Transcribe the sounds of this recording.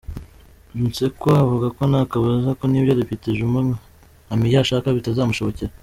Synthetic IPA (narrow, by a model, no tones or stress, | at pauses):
se̞koavuɡako̞nakaβazako̞niːbjodifiteʒuma | amijaʃaːkaβitazaːmuʃo̞βo̞ceɾa